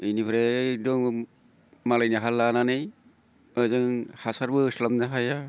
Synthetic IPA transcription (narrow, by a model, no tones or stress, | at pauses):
inipʰɾɛdɔŋ | malajnaɦalːananɯj | ɯzɯŋhasaɾbɯslamnaɦaja